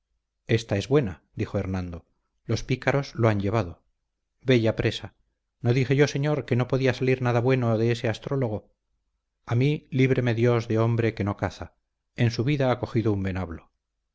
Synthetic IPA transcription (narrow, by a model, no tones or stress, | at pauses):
e̞st̪ae̞zβwe̞nad̪ixoeɾnãnd̪o̞ | lo̞spikaɾo̞zloaɲʎe̞βaðo̞ | βe̞ʝapɾe̞sa | no̞ðixe̞ʝo̞se̞ɲo̞ɾke̞no̞po̞ðiasaliɾnaðaβwe̞no̞ðe̞ese̞ast̪ɾo̞lo̞ɣ̞o | amiliβ̞ɾe̞me̞ðjo̞zðe̞o̞mbɾe̞ke̞no̞kaθa | e̞nsuβiðaako̞xiðoumbe̞naβlo̞